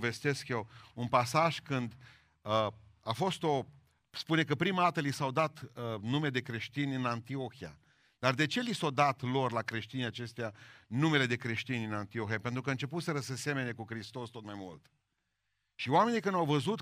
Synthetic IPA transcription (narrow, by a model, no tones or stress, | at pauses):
ve̞st̪e̞skjewunpasaʒkɨnd̪ | əafo̞st̪o̞ | spune̞kəpɾimad̪at̪əlisawd̪at̪ənumed̪e̞kɾe̞ʃt̪inʲɨnant̪io̞xija̰ | d̪̥ard̪e̞t͡ʃe̞lisawd̪at̪lo̞rlakɾe̞ʃt̪inʲjat͡ʃe̞st̪ejanume̞le̞d̪e̞kɾe̞ʃt̪inʲɨnant̪io̞xijape̞nt̪ɾukəɨnt͡ʃe̞put̪seɾəsese̞me̞ne̞kukɾist̪o̞st̪o̞t̪majmṵlt̪ | ʃioame̞nikɨnawvəzut̪